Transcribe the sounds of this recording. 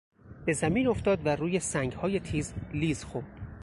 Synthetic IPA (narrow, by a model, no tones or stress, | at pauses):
be̞zæmiːno̞ft̪ɒːd̪væɾuːje̞sæŋɡhɒːje̞t̪ʰiːzliːzxoɾd̪̥